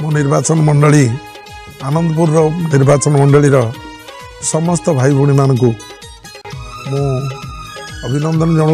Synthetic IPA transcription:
mũniɾbat͡ʃɔnmʌɳɖɔɭi | anʌnd̪ɔp̬uɾɾɔniɾbat͡ʃɔnmɔɳɖɔɭiɾʌ | sɔmɔst̪ɔbʱajbʱuɽ̃imanɔku | mũ | ʌbʱinʌnd̪ʱɔnd͡ʒɔɽ̃

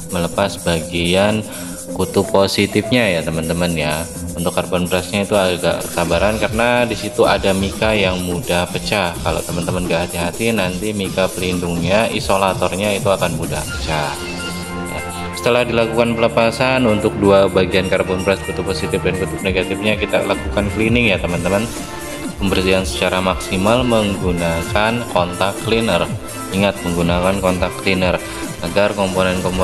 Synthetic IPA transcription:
mələpasbaɡian | kut̪ʊpːosit̪ɪfɲajat̪əmənt̪əmənja | unt̪ʊkːarpɔnbəɾasɲait̪uaɡa̰ʔəsabaɾankarənadisit̪uadamikajaŋmudahpət͡ʃakalo̰t̪əmənt̪əmənɡaʔhat̪iɦat̪inant̪imikapəlindʊŋɲaʔisolat̪ɔrɲait̪uakanmuda̰hpə̥t͡ʃa | ja̰ | sə̥t̪əlahdilakukanpələpasanunt̪ʊk̚duabaɡiankaɾpunpɾɛskut̪ʊpːosit̪ɪfdankut̪ʊp̚neɡat̪ɪfɲakit̪a̰lakukanklinɪŋjat̪əmant̪əman | pəmbərsiansə̥t͡ʃaɾamaksimalməŋɡunakankɔnt̪akːlinər | iŋat̪̚məŋɡunakankɔnt̪akːlinər | aɡarkɔmponɛnkɔmpo

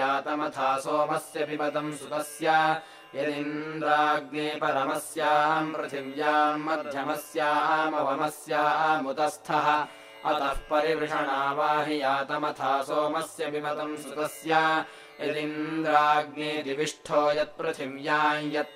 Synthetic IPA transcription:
aːt̪ɐmɐt̪ʰaːsoːmɐsjɐbʱimɐt̪ɐmsut̪ɐsjaː | jɐd̪inɾaːɡ̚neːpɐɾɐmɐsjaːɐmpɾɐt̪ʰiʋjaːmɐd̪ʱjɐmɐsjaːɐmɐʋɐmɐsjaːɐmut̪ɐst̪ʰɐɦɐ̆ | ɐ̰t̪ɐhpɐɾibɾɪʂʰɐɳaːʋaːɦijaːt̪ɐmɐt̪ʰaːsoːmɐsjɐbʱimɐt̪ɐmsut̪ɐsjaː | jɐd̪inɾaːɡneːd̪iʋiʂʈʰoːjɐt̪̚pɾɐt̪ʰiʋjaːjɐt̪̚

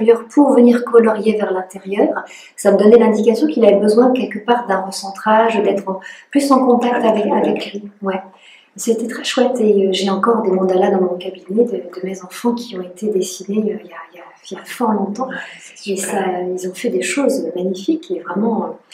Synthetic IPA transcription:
jœʁpʰuʁvəniʁkɔlɔʁjevɛʁlɛ̃t̪eʁjœːʁ | saməd̪ɔnɛlɛ̃d̪ikasjɔ̃kilavɛbəzwɛ̃əkʲɛlkəpaːʁd̪ɛ̃ʁəsɑ̃t̪χaʒəd̪ɛt̪χplysɑ̃kɔ̃t̪ak̚t̪avɛkavɛkliwɛ | set̪ɛt̪χɛʃwɛt̪eøʒeɑ̃kɔʁd̪emɔ̃d̪alad̪ɑ̃mɔ̃kabinɛd̪əd̪əmezɑ̃fɑ̃kʲʰiɔ̃et̪ed̪esineøijaija | jafɔʁlɔ̃t̪ɑ̃esailzɔ̃fɛd̪eʃozømaɲifikevʁɛmɑ̃ø

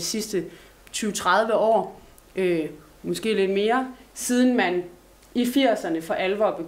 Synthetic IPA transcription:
isisd̥ə | t͡sʰyːʊt͡sʰʁað̞ˠʋəɒ̰ː | ø | mɒ̽sɡ̥e̝̰ːle̝d̥me̝ːɐsiːð̞ˠn̩mæn | ifiɐ̰sɐnəfɒ̽ʔælʋɒb̥e

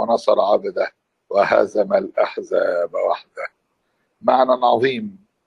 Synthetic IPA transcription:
enɑsˤɑɾˤʕabad̪æ | wɪhæ̰zæmælʔaħzæːbwaħd̪æ | maʕnænʕɑðˤiːm

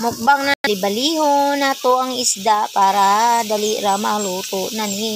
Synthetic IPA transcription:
mʊk̚baŋnalɪbɐliːhonat̪oɐŋɪsd̪apaːɾad̪aliɾamaluːt̪oʔnanɪ

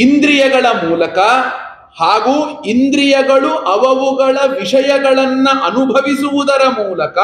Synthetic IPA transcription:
ind̪ɾijɐɡɐɭɐmuːlɐkɐ | haːɡuːind̪ɾijɐɡɐɭuʔɐʋɐʋuɡɐɭɐʋiʂɐjɐɡɐɭɐnːɐʔɐnubʱɐʋisuʋud̪ɐɾɐmuːlɐkɐ

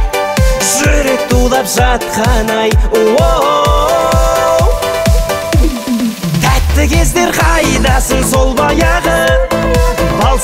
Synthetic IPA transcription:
ʒʏɾe̞k̚t̪ʰulˠɑpʒɑt̪̚qɑnɑjwo | t̪ʰæt̪ːɪkʲʰe̞zd̪e̞ɾqʰɑjd̪ɑsəɴso̞lˠbɑjɑʁə | bɑlˠ

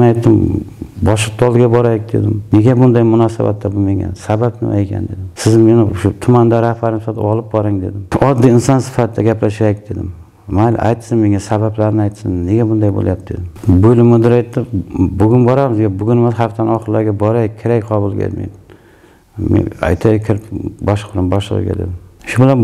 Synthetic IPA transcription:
najt̪ʰːɪmbɒʃɨq̚t̪ʰːɒlˠɪɡʲabɒɾajɪk̚ʲd̪e̞̰d̪ɪmne̞ɡʲabʊnd̪ajmʊnɒsaba̰t̪ːabʊlmaŋʲa̰nsabapnɪ̰mʔa̰ekʲʰa̰nd̪e̞̰d̪ɪmsɪzme̞nɪʊʃʊt̪ʰʊmand̪aɾahbaɾnsfat̪ʰɪɒlˠɪp̚bɒɾɪŋd̪e̞d̪ɪmɒd̪ːijɪnsɒnsɪ̥fat̪ʰɪd̪aɡʲaplaʃajɪk̚ʲd̪e̞d̪ɪ̰m | mal̰ʔa̰jt̪sɪnme̞ŋasabablaɾnɪajt̪sɪnne̞ɡʲabʊnd̪ajbo̰lˠjap̚d̪e̞̰d̪ɪmbojlɪmʊd̪ɪɾajt̪ːɪbʊɡʲʊnbɒɾamɪzɡʲabʊɡʲʊnmɪzhaft̪anɒχɨɾlaɾɡʲabɒɾajkʲʰeɾakʲqʰɒbɪlˠɡʲa̰mḛn | mḛa̰jt̪ʰakʲʰɪɾɪpbɒʃbɾɪmbɒʃlˠɨ̰ʁ̰ɡʲa̰d̪ed̪ɪmʃʊbɪlan

